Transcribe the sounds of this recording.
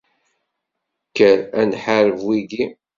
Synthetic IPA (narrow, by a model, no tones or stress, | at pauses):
kːəɾænħaɾəvwiɡi